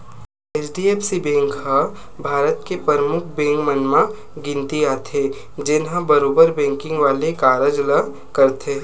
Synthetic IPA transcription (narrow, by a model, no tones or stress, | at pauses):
eːt͡ʃɖieːpsibɛ̃ːŋkɦa | bʱaːɾət̪kepɾəɾəmʊkʰbẽːŋkmənma | ɡɪ̃nt̪iaːt̪ʰe | d͡ʒɪnɦãbɐɾoːbəɾbɛ̃ːŋkɪ̃ŋɡʋaːlekaːɾəd͡ʒla | kɐɾt̪ʰeɦ